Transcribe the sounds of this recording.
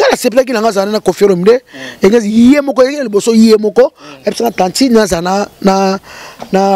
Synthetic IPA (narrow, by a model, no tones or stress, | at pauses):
ŋɡanasep̬ak̬inaŋɡazanenakofiɔɾomideeŋɡazijijemɔkɔalibosojijemɔkɔapisanatãntinazananana